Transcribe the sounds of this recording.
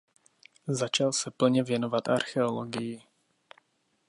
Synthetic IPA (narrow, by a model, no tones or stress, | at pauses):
zat͡ʃalsɛpl̩ɲɛvjɛnovat̪a̰ɾxɛoloɡɪjɪ